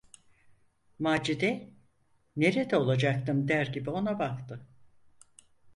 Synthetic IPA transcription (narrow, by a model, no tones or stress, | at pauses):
maːd͡ʒid̪ɛ | ne̞ɾed̪ɛo̞lˠad͡ʒak̚t̪ɯmd̪æɾɟibio̞nabakt̪ʰɯ